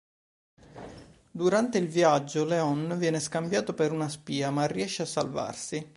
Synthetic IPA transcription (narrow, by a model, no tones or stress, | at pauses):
d̪uɾant̪eilviad͡ʒːoleɔnvjɛːneskambjaːt̪opeɾunaspiːamarːiɛʃːeasːa̰lva̰rsi